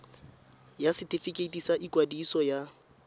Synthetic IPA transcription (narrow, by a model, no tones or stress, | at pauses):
jasɪtʼifikʼetʼisaʔikʼwadisɔja